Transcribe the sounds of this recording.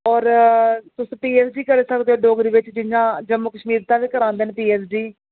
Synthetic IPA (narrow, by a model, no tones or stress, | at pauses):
ɔːɾt̪ʊsũːpiːɛːsd͡ʒiːkəɾeːsəkd̪eːoːɖoːɡɾiːʋɪt͡ʃd͡ʒɪjãːd͡ʒəmːukəʃmiːɾt̪ãːʋiːkəɾãːnd̪eːnepiːɛːsd͡ʒiː